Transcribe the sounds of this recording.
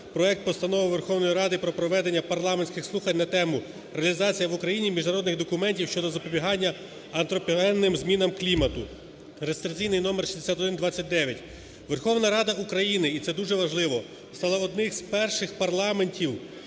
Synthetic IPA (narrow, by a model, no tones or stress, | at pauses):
pɾɔɛk̚t̪̚pɔst̪ɐnɔʋɪʋerxɔwnɔjiɾɑd̪ɪpɾɔpɾɔʋɛd̪e̞nʲːɐpɐrlˠɑmenʲsʲkɪxslˠuxɐnʲnɐt̪ɛmʊ | ɾeɐlʲizɑt͡sʲijɐʋʊkɾɐjinʲimʲiʒnɐɾɔd̪nɪɣd̪ɔkʊmɛnʲtʲiwʃt͡ʃɔd̪ɔzɐpɔbʲiɦɑnʲːɐ | ɐnt̪ɾɔpʲiɛnːɪmzmʲinɐmklʲimɐt̪ʊ | ɾest̪ɾɪt͡sʲijnɪjnɔmerʃizd̪esʲat̪ɔd̪ɪnd̪ʋɑt͡sʲːɐt̚ʲd̪ɛʋʲjɐtʲ | ʋerxɔwnɐɾɑd̪ɐukɾɐjinɪit̪sɛd̪uʒɛʋɐʒlˠɪʋɔ | st̪ɑlˠɐɔd̪nɪxz̥pɛrʃɪxpɐrlˠɑme̞nʲtʲiw